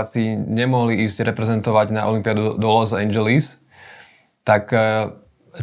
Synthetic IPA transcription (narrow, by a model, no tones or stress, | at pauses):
t͡siɲɛmɔɦliiːzɟɾɛpɾɛzɛnt̪ɔʋaɟnaɔlimpiad̪ud̪ɔlɔzɛɲd͡ʒɛlis | t̪ak